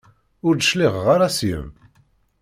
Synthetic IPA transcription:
ʊɾd̪əʃliʁʁaɾasjə̰m

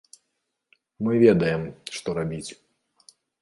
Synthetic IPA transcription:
mɨvʲɛd̪ɐjɛmʂt̪ɔɾabʲit͡sʲ

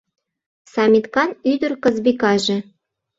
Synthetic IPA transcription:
sɑmʲit̪kɑnyd̪ə̆rkɤ̆zbikɑʒĕ

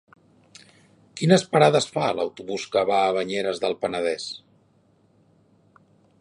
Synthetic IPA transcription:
kinəspəɾaðəsfalə̰wt̪uβuskəβaːβəɲeɾəzðəlˠpənəð̞ɛs

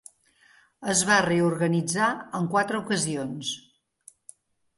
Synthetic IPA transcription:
əzβareuɾɣənid͡zaəŋkwat̪ɾəukəzions

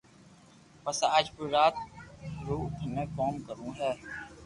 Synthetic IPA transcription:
pəsaːd͡ʒpʊɾaːt̪ɾuːt̪mẽːkɔːnkəɾũːɦɛː

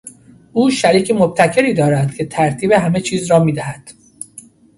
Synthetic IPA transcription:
ʔuːʃæɾiːcʰemob̚t̪ʰæcʰe̞ɾiːd̪ɒːɾæd̪̥cʰe̞t̪ʰæɾt̪ʰiːbe̞ɦæme̞t͡ʃʰiːzɾɒːmiːd̪æhæd̪̥

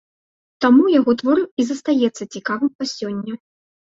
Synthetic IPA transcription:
t̪amujaɣɔt̪vɔɾɨwizɐst̪ajɛt̪sːɐt͡sʲikavɨmpasʲɔnʲːɐ

